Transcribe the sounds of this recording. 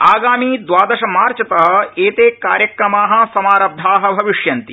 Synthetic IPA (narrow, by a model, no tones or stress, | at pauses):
aːɡaːmiːd̪ʋaːd̪ɐʃɐmaːɾt͡ʃɐt̪ɐɦɐ̆eːt̪eːka̰ːɾjɐkɾɐmaːɦɐ̆sɐmaːɾɐb̚d̪ʱaːɦɐbʱɐʋiʂjɐnt̪i